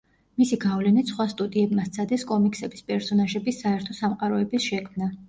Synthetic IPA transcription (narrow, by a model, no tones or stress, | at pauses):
misiɡavlɛnit̪sχwast̪ʼud̪iɛbmast̪sʰad̪ɛskʼɔmikʼsɛbispʼɛɾsɔnaʒɛbisaɛɾt̪ʰɔsamqʼaɾɔɛbisʃɛkʰmna